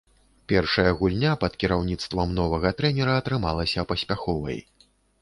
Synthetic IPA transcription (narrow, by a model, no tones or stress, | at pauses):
pʲɛrʂɐjɐɣulʲnʲapɐt̪kʲiɾawnʲit̪st̪vɐmnɔvɐɣɐt̪ɾɛnʲɛɾɐːt̪ɾɨmalˠɐsʲɐpɐsʲpʲaxɔvɐ̰j